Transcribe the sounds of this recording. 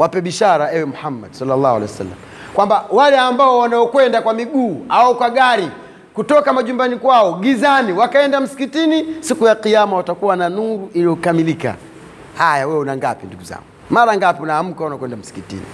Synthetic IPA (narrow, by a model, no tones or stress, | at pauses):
wʔapɛɓiʃaɾaɛwɛmuhamːa̰dsalːalːahualɛwɛsa̰lːa̰m | kwambawalɛambaɔwanaɔkwɛndakwamiɡuːaɔkwaɠaɾi | kutɔkamaʄumbanikwaɔɡizaniwakaɛndam̩si̥kitinisikujaqijamawatakuwananuɾuʔilijɔkamilika̰ | hajawɛwɛunaŋɡa̰pinduɡuza̰ŋɡumaɾaŋɡapiunaːm̩kaunakwɛndam̩si̥kitḭnḭ